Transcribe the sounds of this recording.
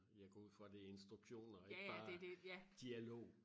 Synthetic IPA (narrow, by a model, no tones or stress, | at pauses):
jɑ̈ɪɡ̥ɒːuð̰ˠfɒd̥eensd̥ʁuɡ̥ɕo̝̰ːnɒeæ̥bɑ̈ːded̥ejæd̥iælo̝̰ː